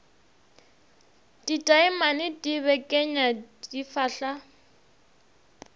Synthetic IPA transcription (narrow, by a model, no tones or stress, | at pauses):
ditʼaɪmanɪdiβɛkʼɛɲadifaːɬa